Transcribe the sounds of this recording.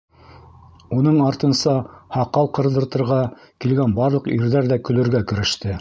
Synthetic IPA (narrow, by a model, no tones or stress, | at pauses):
unɤɴɑɾt̪ɤ̆nsɑhɑqɑlˠqɤ̆ɾðɤ̆ɾt̪ɤ̆ɾʁɑ | kilɡænbɑɾlˠɤ̆qiɾðæɾðækɵ̆lɵ̆ɾɡækɵ̆ɾɘ̆ʃt̪ɘ